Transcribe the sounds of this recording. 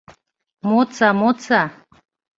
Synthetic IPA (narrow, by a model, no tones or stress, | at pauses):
mot͡samot͡sa